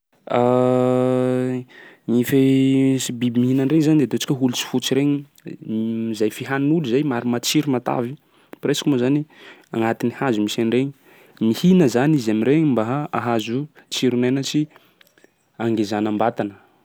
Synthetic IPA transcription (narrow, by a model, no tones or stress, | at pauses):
a | ŋife | bibimiɦinanreɲzanid̪et̪ot͡si̥kʲəɦulut͡si̥fut͡siɾeɲi | izajfiɦanuluzajmaɾimat͡siɾimat̪a̰vi | preskimozaniaŋat̪inihazumisanreɲi̥ | mihinəzanizamiɾeɲimbaɦaaɦazut͡ʃiɾunajnət͡ʃi | aŋɡezanambat̪anə